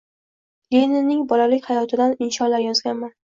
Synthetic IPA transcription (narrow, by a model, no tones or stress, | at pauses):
lʲenɪnɪŋbɒlalɪkʲhajɒt̪ʰɪd̪anɪnʃɒnlaɾjɒzɡʲanman